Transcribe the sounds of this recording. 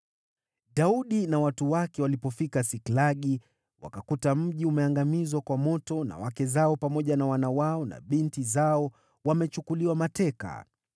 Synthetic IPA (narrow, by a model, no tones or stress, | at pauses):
ɗauɗinawatuwakɛwalipɔfikasiklaɠi | wa̰kakutam̩ʄiumɛaŋɡamizwakwamɔtɔna̰wakɛzaɔpamɔʄanawanawaɔna̰ɓintizaɔ | wamɛt͡ʃukuliwamatɛka̰